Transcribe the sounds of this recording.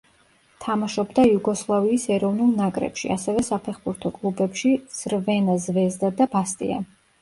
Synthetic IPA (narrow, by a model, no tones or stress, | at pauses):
t̪ʰamaʃɔbd̪aijuɡɔslˠaviːsɛɾɔvnulˠnakʼɾɛ̰pʃḭʔa̰sɛvɛsapʰɛχbuɾt̪ʰɔkʼlˠubɛpʃiz̥ɾvɛnazvɛzd̪ad̪abast̪ʼḭa̰